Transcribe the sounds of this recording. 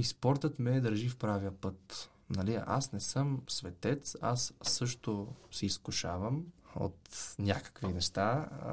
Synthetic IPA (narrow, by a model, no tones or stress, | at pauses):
ispɔɾt̪ət̪mɛːd̪əɾʒifpɾaviəpɤt̪ | nɐlia̰snɛsɤmsvɛt̪ɛt̪sa̰sːɤʃt̪osɛiskʊʃavəmo̰t̪nʲakə̥kvinɛʃt̪a